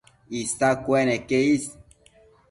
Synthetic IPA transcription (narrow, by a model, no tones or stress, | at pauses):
ist̪akwɛnekeis